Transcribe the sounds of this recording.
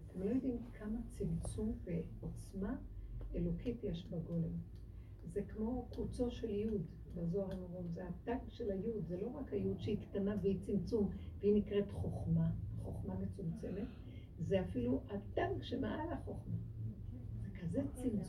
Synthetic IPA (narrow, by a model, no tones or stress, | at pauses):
at̪ʰe̞mlo̞jod̪imkʰamat͡simt͡sumveo̞t͡smaelo̞kʰitjeʃbaɡo̞lem | zekmo̞kut͡so̞ʃe̞ljud | bazo̞aʁanoʁomzeadaɡʃelajud̪zelo̞ʁakhajud̪ʃeiktanabeit͡simt͡sumveinikʁe̞tχo̞χmaχo̞χmamet͡sumt͡se̞me̞t | zeafiluadaɡʃemea̰alaχo̞χma | z̥ekʰazet͡simt͡s